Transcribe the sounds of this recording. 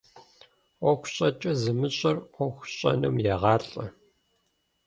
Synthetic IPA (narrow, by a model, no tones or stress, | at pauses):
ɔxʷɕʼɐt͡ʃʼɐzɨmɨɕʼɐrʷɔxʷɕʼɐ̰nɨmjɛʁɑːɬʼɐ